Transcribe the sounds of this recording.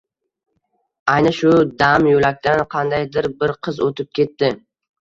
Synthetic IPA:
ajnɪʃʊd̪amjolakʲt̪anqʰɑnd̪ajd̪ɪɾbɪɾqʰɨzot̪ʰɪp̚kʲʰe̞t̪ːɪ

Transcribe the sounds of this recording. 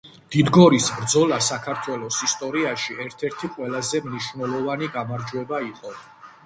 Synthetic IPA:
d̪̥id̪ɡɔɾisbɾd̪zɔlˠasakʰaɾt̪ʰwɛlˠɔsist̪ʼɔɾiaʃiɛɾt̪ʰɛɾt̪ʰiqʼwɛlˠazɛmniʃvnɛlˠɔvaniɡamaɾd͡ʒuwɛbaiqʼɔ

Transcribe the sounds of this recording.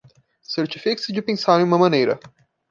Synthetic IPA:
seɾt͡ʃifiksɪd͡ʒɪpẽsaɾ̃j̃ũmɐmɐ̃nejɾɐ̰

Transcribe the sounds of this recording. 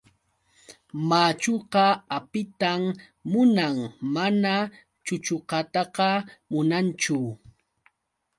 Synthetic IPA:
maːt͡ʃoqɑapɪt̪amː | ʊnammana | t͡ʃʊt͡ʃoqɑt̪ɑqɑmʊnant͡ʃʊ

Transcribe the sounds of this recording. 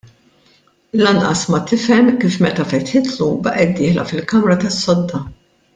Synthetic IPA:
lɐnʔɐsmɐt̪ɪfɛmkiːfmɛt̪ɐfɛt̪ħɪt̪lubɐʔɛd̪ːɪːħlɐ̰fɪlkɐmɾɐt̪ɐsːɔd̪ːɐ

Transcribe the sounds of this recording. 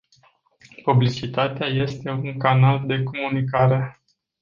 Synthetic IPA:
publit͡ʃit̪at̪eaje̞st̪e̞uŋkanald̪e̞ko̞munikaɾe̞

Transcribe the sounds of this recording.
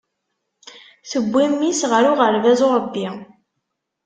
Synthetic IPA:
θəbʷːimːisʁəɾʊʁəɾvæzoɾˤəbːi

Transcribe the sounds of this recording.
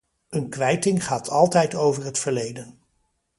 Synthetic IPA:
ənkʋɛjtɪŋχaːtʰɑlˠtɛjtowvəɹɦətfəɹlejdən

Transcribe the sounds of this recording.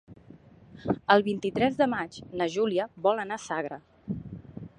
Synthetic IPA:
əlˠβint̪it̪ɾɛzðəmad͡ʒnəʒuliəβɔlənasaɣ̞ɾə

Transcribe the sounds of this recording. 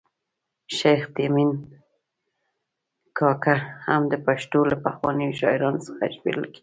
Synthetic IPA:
ʃajxt̪emin | kʰɑkahamd̪əpaʃt̪olapaxwɑnəjoʃɑɪɾɑnosə̥xaʒbḛləlki̥

